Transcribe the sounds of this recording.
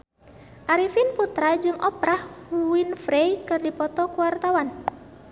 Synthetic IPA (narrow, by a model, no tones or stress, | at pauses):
ʔaɾifinput̪ɾad͡ʒɨŋʔɔpɾahwinfɾejkɨrdipɔt̪ɔkuwart̪awan